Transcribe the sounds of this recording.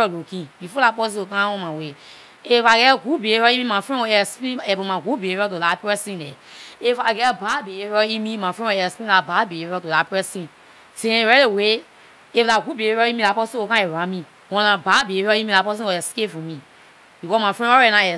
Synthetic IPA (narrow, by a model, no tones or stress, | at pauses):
ɔlokĩbifolapɔs̬ĩokãɔ̃mãwe | efaɡɛɡubeeɾɔĩmĩmafɹɛ̃wɔɛspĩɛbõmaɡubeɾɔt̬olapɹɛsĩnɛefaɡɛbabeeɾɔimĩmafɹɛ̃wɔɛspĩlababeeɾɔtolapɹɛsĩ | tẽɾɛlewe | eflaɡʷubeɾɔĩmilapɔsĩokãɛɾãmĩ | wɔ̃nãbabeɔĩmĩlapɔs̬ĩɔɛskepfũmĩ | bikɔmafɛ̃ɔɛnãɛ